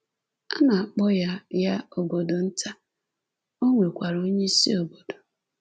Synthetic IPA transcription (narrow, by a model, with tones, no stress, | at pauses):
a˦na˨a˨k͡pɔ˦ja˦ja˦o˨ɡo˨do˨n̩˦ta˦ | o˦ŋʷe˨kʷa˨ɾo˦ɲe˦si˦o˨bo˨do̥˨